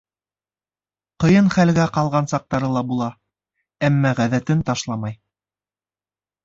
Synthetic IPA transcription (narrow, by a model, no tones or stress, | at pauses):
qɤ̆jɤnχælɡæqɑlˠʁɑnsɑq̚t̪ɑɾɤlˠɑbulˠɑ | æmːæʁæðæt̪ɘnt̪ɑʃlˠɑmɑj